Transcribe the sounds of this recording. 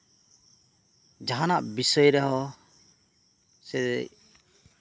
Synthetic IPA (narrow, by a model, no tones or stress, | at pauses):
d͡ʒaɦanaʔbisɔjɾɛɦɔ | sɛ